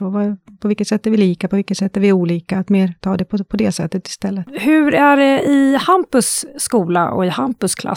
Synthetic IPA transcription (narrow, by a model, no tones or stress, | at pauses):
ovapʰɔvɪlkət̪sɛt̪ːæɾvɪliːkapʰɔvɪlkːət̪sɛt̪ːæɾvɪɾuːliːkaːt̪meːɾt̪ʰɑːd̪ɛpʰɔpʰɔd̪ɛsɛt̪ːət̪ɪ̥st̪ɛlːət̪hɵ̟ɾæɖɛɪhampɵsːkuːla̰ʔɔ̰ɪhampɵskʰlʔa̰